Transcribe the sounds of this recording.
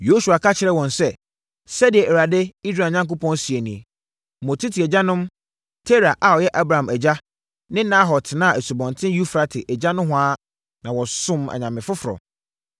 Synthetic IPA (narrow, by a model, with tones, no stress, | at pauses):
jo˦su˨a˨kʰa˦t͡ɕʰɪ˨ɾɛ˦wɔ̃˨nsɛ˦ | sɛ˦dɪ˨ɛ˨ʔɛ˨ɾa˨dɪ˦i˦s̬ɾa˨ɲã˦ŋk̬o˦pʰɔ̃˦nsi˨e˨nĩ˨e˨ | mɔ̃˨tʰi˦tʰi˨ɛ˨d͡ʑa˦nʊ̃˦m | tʰe˦ɾa˨ʔa˨ɔ˨jɛ˦ʔa˦bɾa˨ã˨mɛ˨d͡ʑa˦ | nɪ̃˦nã˦ɦɔ˨tʰnã˦˨æ˨su˨bɔ̃˨ntʰɪ̃˦ju˦fɾa˨tʰɪ˨ʔɛ˨d͡ʑa˦nʊ̃˦ɦʊ̃˦aː˦ | nã˨wɔ˨sʊ̃˦ma̰˨ɲã˨mɪ̃˨fʊ˦fɾɔ̰˨